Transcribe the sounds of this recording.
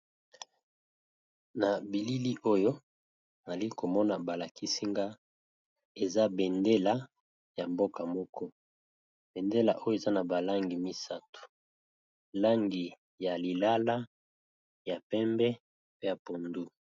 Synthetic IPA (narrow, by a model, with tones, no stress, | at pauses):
na˨bi˨li˦li˦ʔo˦jo˦˨ | za˨li˦ko˨mɔ˦na˨ba˨la˨ki˦si˦ŋɡa˦ | e˨za˦bɛ˨nde˦la˦ | ja˨mbo˦ka˨mɔ˦kʰɔ˦ | b̥ɛ˨nde˦la̰˨ʔo˦jo˦e˨za˦na˨ba˨la˦ŋɡi˨mi˦sa˦to̥˨ | la˦ŋɡi˨ | ja˨li˨la˦la˦ | ja˨pɛ˦mbɛ˦ | pe˦ja˨po˨ndu˦